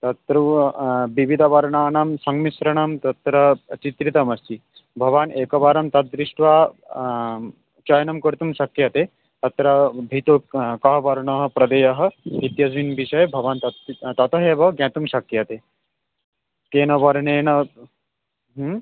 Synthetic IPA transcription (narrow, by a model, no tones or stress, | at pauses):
t̪ɐt̪ɾubiʋid̪ʱɐʋɐɾɳaːnɐmsɐŋɡmisɾɐɳɐmt̪ɐt̪ɾɐt͡ʃit̪ɾit̪ɐmɐst̪i | bʱɐʋaːneːkɐʋaːɾɐmt̪ɐt̪̚d̪ɾiʂʈʋaː | t͡ʃɐjnɐmkɐɾt̪umʃɐk̚t̪jɐt̪eː | t̪ɐt̪ɾɐbʱit̪okɐɦɐʋɐɾɳɐɦɐ̆pɾɐd̪ɐjɐɦɐ̆it̪jɐsʋinbiʃɐjbʱɐʋaːnt̪ɐt̪t̪ɐt̪ɐɦeːʋɐɡɛ̃ːt̪umʃɐk̚t̪jɐt̪eː | keːnɐʋɐɾɳeːɳɐ | ɦ